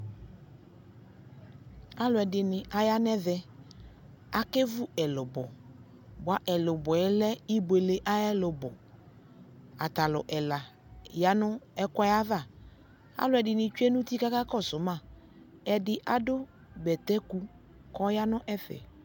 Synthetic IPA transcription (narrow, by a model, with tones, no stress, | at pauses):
a˦lʊ˨ɛ˨dɪ˨nɪ˨ʔa˨ja˦nɛ˦ðɛ˨ | a˨ke˦vʊ˦ɛ˨lʊ˨bɔ˨ | bʊ˨a˨ʔɛ˨lʊ˨bɔ˨ɛ˦lɛ˦i˦be˨le˨ʔa˦ɛ˦lʊ˨bɔ˨ | a̰˨ta˨lʊ̰˨ʔɛ˨la˨ | ja˨nʊ˦ɛ˦ka˦ja˦ða˦˨ | a̰˦lʊ˨˦ɛ˨dɪ˨nɪ̃˨t͡ʃu˦ɛ˦nũ˦t̪i˦ka˦ka˦kɔ˦˨sʊ˨˦mã˦˨ | ɛ˨dɪ˨ʔa˨dʊ˦ | bɛ˨t̪ɛ˦ku˦ | kɔ˦ja˦nʊ̃˦ʔɛ˦fɛ̰˨